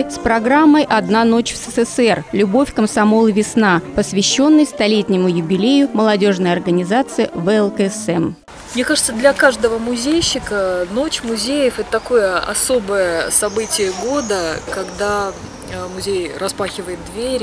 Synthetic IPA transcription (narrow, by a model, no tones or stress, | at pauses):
spɾɐɡɾamːəjʔɐd̪nano̞t͡ɕfsəsɛsɛrlʲʊbo̞fʲkəmsɐmo̞lˠvʲɪsnapəsvʲɪɕːo̞nːɨjst̪ɐlʲetʲnʲɪmʊjʊbʲɪlʲejʊməlˠɐdʲo̞ʐnəjɐrɡənʲɪzat̪sɨɪvɛɛlˠkəɛsɛm | mnʲekaʐɨt̪səd̪lʲɐkaʐd̪əvəmʊzʲejɕːɪkəno̞t͡ɕmʊzʲejəfɛt̪ət̪ɐko̞jəɐ̰so̞bəjəsɐbɨtʲɪjəɡo̞d̪əkɐɡd̪a | mʊzʲejrɐspaxʲɪvəɪt̪̚d̪vʲeɾʲ